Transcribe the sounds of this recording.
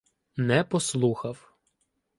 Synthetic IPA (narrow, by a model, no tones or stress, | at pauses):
nɛpɔslˠuxɐw